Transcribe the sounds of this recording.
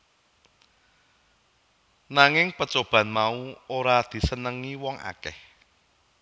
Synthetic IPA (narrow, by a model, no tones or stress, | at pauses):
naŋɪŋpət͡ʃob̥ä̤nmauoɾad̪̥i̤sənəŋiwɔŋʔa̰kɛ̰h